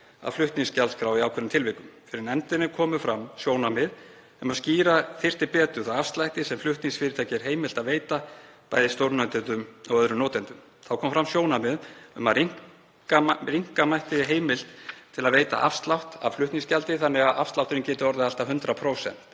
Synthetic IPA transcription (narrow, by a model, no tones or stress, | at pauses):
a̰ðflʏht̪niŋscalt̪skɾawiaːwkʰvɛɾʏmt̪ʰɪlvɪhkʏmfɪɾɪɾnɛnt̪ɪnːɪkʰɔːmʏfɾamːsjoːwnamɪð | ʏmaðsciːɾaθɪr̥t̪ɪpɛːt̪ʏθawafst̪lajht̪ɪsɛmflʏht̪niŋsfɪːɾɪt̪ʰaːjcɛɾ̥ɦeːjmɪlt̪aðveːjt̪apa̰ːjðɪst̪owɾnœnt̪ɪnt̪ʏmɔɣœðɾʏmnɔːt̪ɛnt̪ʏm | θawkʰɔːmafɾamsjoːwnamɪðʏmaðiŋ | kaɾiŋ̥kamajht̪ɪɦeːjmɪl̥t̪ʰɪlaðveːjt̪a̰ʔa̰fst̪lawht̪a̰flʏht̪niŋscalt̪ɪθanːɪɣaðʔafst̪lawht̪ɪɾɪncɛːt̪ʏɔɾðɪðal̥t̪aɦʏnt̪ɾapʰɾowsɛ̰n̥t̪